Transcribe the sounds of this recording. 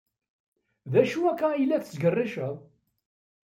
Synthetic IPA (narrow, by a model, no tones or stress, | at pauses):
ðæʃuækːæjlːæθə̥sɡərˤːɪʃəðˤ